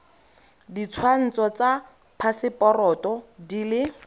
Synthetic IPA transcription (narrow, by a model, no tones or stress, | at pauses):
dit͡sʰwan̩t͡sɔt͡sa | pʰasɪpɔrɔtɔdilɪ